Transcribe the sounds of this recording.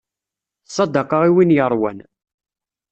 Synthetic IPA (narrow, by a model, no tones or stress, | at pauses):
θsˤːɑd̪ɑqɑʁiwinjəɾˤwæn